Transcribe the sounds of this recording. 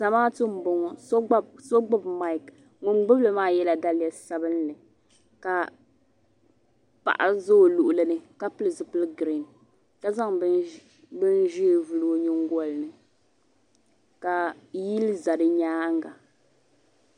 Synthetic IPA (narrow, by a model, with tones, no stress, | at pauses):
sa˨maː˦tɨ˦m̩˨bo˨ŋɔ˨sso˦ɡ͡bʊ˦bma˦˨ɪ˨k | ŋʊ˨ŋɡ͡bʊ˦blɨ˨maː˦jɛ˦la˨da˦lɪ˦ja˨sa˨bɨ˦nːɨ˨ | ka˨ | pa̰˨ʔa̰˨zo˦˨lu˨ʔʊ˨lɨ˦nɨ˨ka˦pɨ˦lɨ˨zɨ˨pɨ˦lɨ˦ɡɾi˨n | ka˦za˦ŋ˦ | bɨ˦nʒiː˦vu˨lo˦ɲɪ˦ŋ˦ɡɔ˦˨lnɨ˨ | ka˨ji˦lza˨dɨ˦ɲaː˦ŋɡa˨